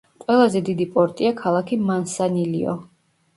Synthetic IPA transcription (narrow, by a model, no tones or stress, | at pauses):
qʼwɛlˠazɛd̪id̪ipʼɔɾt̪ʼiakʰalˠakʰimansanilḭɔ̰